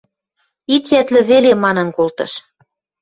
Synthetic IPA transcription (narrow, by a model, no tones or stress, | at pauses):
it̪jæt̪lɘ̆βelemɑnɤ̆nkolt̪ɤ̰̆ʃ